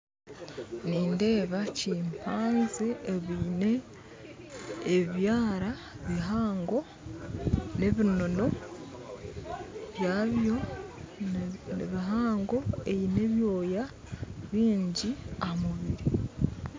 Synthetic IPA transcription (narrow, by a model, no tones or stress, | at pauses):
niːnde̞ːβaciːmpʰaːnzeːβine | βjaːɾa | βiɦaːŋɡo̞ | ne̞βino̞no̞ | βjaːβjo̞ | nḛβiɦaːŋɡo̞ejine̞βjo̞ːja | βiːɲɟiamuβiɾi